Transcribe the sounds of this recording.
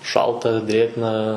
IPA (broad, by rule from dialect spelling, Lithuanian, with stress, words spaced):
ˈʃɐlˠtɐ ˈdʲrʲeːɡnɐ